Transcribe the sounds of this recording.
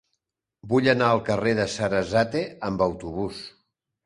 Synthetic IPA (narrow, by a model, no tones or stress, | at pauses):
buʎənaəlˠkəreðəsəɾəzat̪eəmbəwt̪uβ̞us